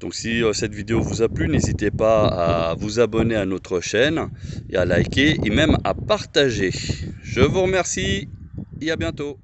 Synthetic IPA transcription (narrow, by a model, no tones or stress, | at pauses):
d̪̥ɔ̃ksiøsɛt̪vid̪eovuzaplynezit̪epaa̰vuzabɔneanot̪χəʃɛnḛalajkʲeemɛma̰paʁt̪aʒeʒəvuʁəmɛʁsi | eabjɛ̃t̪o